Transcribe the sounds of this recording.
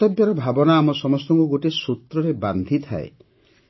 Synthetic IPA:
t̪ɔbjaɾɔbʱabɔnaːmɔsɔmɔst̪ɔŋkuɡoʈisut̪ɾɔɾeband̪ʱit̪ʰa̰ḛ

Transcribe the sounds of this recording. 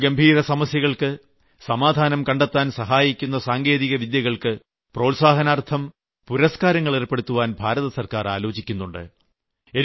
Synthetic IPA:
ɡɐmbʱiːɾɐsɐmɐsjɐɣɐɭkɨ | sɐmaːd̪ʱaːnɐmkɐɳɖet̪ːaːnsɐɦaːjikʲːun̪ːɐsaːŋɡe̞ːðiɣɐʋid̪jɐɣɐɭkɨ | pro̞ːlsaːɦɐnaːrt̪ʰɐm | puɾɐskaːɾɐŋːɐɭerpːe̞ɽut̪ːuʋaːnbʱaːɾɐðɐsɐrkaːraːlo̞ːt͡ɕikʲːunːuɳɖɨ̰ | e

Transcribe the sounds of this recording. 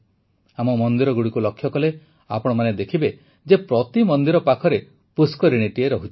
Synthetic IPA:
amɔmɔnd̪iɾɔɡuɽikulɔkʰːjɔkɔle | a̰pɔɽ̃ɔmaned̪ekʰibe | d͡ʒepɾɔt̪imɔnd̪iɾɔpakʰɔɾe | puskɔɾiɽ̃iʈieɾɔɦut͡ʃʰi

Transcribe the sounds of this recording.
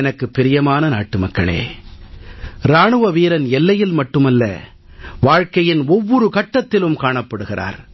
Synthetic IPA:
ɛnɐkːɯpːɪɾɪjɐmaːnɐna̰ːʈːɯmɐkːɐɭḛː | ɾaːɳɯʋɐʋiːɾɐnɛlːɐjɪlmɐʈːɯmɐlːɐ̰ | ʋaːɻkɐjɪnɔʋːɔɾɯkɐʈːɐt̪ːɪlɯmkaːɳɐpːɐɽɯɣɪra̰ːɾ

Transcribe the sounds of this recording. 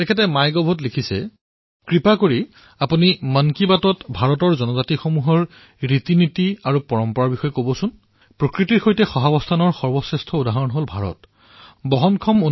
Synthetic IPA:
tɛkʰɛtɛmajɡɔbʱɔt̬likʰisɛ̰ | kɹipakoɹi | apunimankibatɔtbʱaɹɔtɔɹzɔnɔzatixomuɦɔɹ | ɹitinitiaɹupɔɹɔmpɔɹaɹbixɔjɛkobɔsʊn | pɹokɹitiɹxojtɛxɔɦabɔstʰanɔɹxɔɹbɔsɹɛstʰɔudaɦɔɹɔnɦolbʱaɹɔ̰t | bɔɦɔnkʰɔmo

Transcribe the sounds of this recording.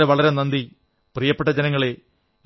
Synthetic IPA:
eʋɐɭɐɾenɐnd̪i | prijɐpːeʈːɐd͡ʑenɐŋːɐɭe

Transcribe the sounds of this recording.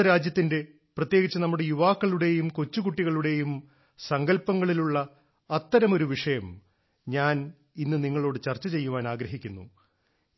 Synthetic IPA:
ɐɾaːd͡ʑjɐt̪ːinde̞ | prɐt̪je̞ːɣit͡ɕːɐnɐmːuɽe̞juʋaːkːɐɭuɽe̞jumko̞t͡ɕːuɣuʈːiɣɐɭuɽe̞jum | sɐŋɡɐlpːɐŋːɐɭiluɭːɐː | t̪ːɐɾɐmo̞ɾuʋiʂɐjɐm | ɲaːn | inːɨniŋːɐɭo̞ːɽɨt͡ɕɐrt͡ɕːɐt͡ɕe̞jːuʋaːnaːɡɾɐɦikʲːunːṵ

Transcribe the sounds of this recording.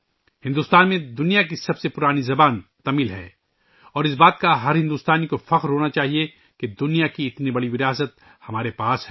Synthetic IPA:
hɪ̃nd̪uːst̪aːnmẽd̪ʊnijak̬isɐbsepʊɾaːnizɐbaːnt̪ɐmiːlɦɛ̰ː | ɔːɾɪsbaːt̪kaɦɐɾɦɪ̃nd̪uːst̪aːnikofɐqɾɦoːnat͡ʃaːɦie | ked̪ʊnijakiɪt̪nibɐɽiʋɪɾjaːs̬ət̪̚ | hɐmaːɾepaːsɦɛː

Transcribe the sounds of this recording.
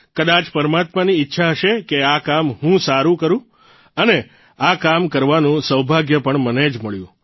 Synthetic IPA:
kəd̪at͡ʃpəɾəmat̪maniːtːʃʰaɦəʃekeakamɦũsaɾũkəɾũ | əne | akamkəɾʋanũsəwbʱaɡjəpəɳməned͡ʒməɭjũ

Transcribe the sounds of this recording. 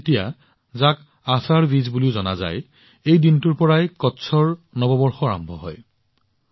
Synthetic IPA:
etija | zak | asaɹbizbuliʊzɔna̰za̰j | ejdintuɹpɔɹajkɔtsʰɔɹnɔbɔbɔɹxɔɹa̰mbʱɔ̰ɦɔ̰j

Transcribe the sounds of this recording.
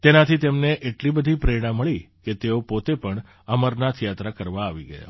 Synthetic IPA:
t̪enat̪ʰit̪emneʔeʈlibəd̪ʱipɾeɽ̃ãməɭi | ket̪eopot̪epəɳ | əməɾnat̪ʰijat̪ɾakəɾʋaːʋiɡəja̰

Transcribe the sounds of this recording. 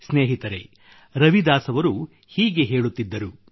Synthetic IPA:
sneːɦit̪ɐɾe̞̰ | ɾɐʋid̪aːsɐʋɐɾu | hiːɡe̞ɦe̞ːɭut̪ːid̪ːɐɾu

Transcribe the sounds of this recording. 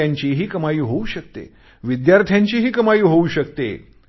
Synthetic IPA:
aɲt͡ɕiɦiːkəmajiːɦouɕək̚t̪ḛ | ʋid̪jaɾt̪ʰjaɲt͡ɕiɦiːkəmajiːɦouɕək̚t̪ḛ

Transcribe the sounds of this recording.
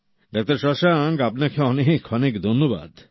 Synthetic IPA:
ɖak̚t̪aɾʃɔʃaŋɡapnakʰeɔnekʰɔnekd̪ʱonːoba̰d̪

